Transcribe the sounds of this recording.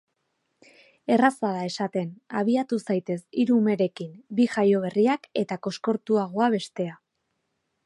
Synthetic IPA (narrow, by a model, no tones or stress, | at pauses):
e̞rasaðae̞sat̪e̞na̰β̞iat̪usajt̪e̞siɾuːme̞ɾe̞kimbiʝajo̞β̞e̞riake̞t̪ako̞sko̞ɾt̪uaɣ̞o̞aβ̞e̞st̪e̞a